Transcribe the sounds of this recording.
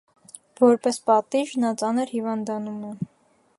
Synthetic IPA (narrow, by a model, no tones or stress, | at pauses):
vɔɾpɛspɑt̪iʒnɑt͡sɑnəɾhivɑnd̪ɑnumɛ